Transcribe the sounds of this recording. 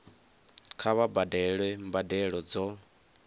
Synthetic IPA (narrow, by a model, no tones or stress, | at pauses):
kʰaβabadɛɺwɛmbadɛɺɔd͡zɔ